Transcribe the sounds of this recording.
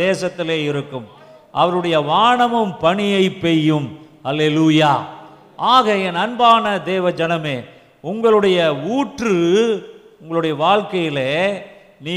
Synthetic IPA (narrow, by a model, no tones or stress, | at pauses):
eːsɐt̪ːɪleːɪɾɯkːɯm | ʔɐʋɐɾɯɽɐjɐʋaːɳɐmɯmpɐɳɪjɐɪpːɛjːɯm | ɐleːluːjaː | ʔaːɣɐɛnɐnbaːnɐd̪eːʋɐd͡ʒɐnɐmeː | ʊŋɡɐɭɯɽɐjɐuːʈrɯ | ʊŋɡɐɭɯɽɐjɐʋaːɻkɐjɪleː | niː